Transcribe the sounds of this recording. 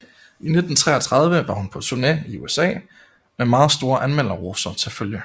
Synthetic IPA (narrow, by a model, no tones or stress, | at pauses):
ine̝d̥n̩t͡sʰʁɛ̰ɐt͡sʰʁɑ̈ð̞ˠʋəʋɑ̈hunpʰɒ̽t͡sʰuneiṵesɛ̰ː | memɑ̈ːð̞̩ˠsd̥o̝ːɐʔænmel̰ɐʁosɐt͡sʰe̝lføljə